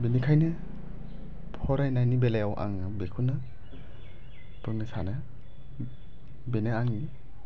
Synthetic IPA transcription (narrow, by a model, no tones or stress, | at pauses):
benikʰajnɯ | pʰɔɾajnajnibelajawʔa̰ŋɯbekʰunɯ | pɯŋnisanɯ | beneaŋni